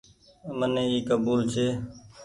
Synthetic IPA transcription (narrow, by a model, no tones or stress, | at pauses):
mənẽːiːkəbuːlt͡ʃʰeː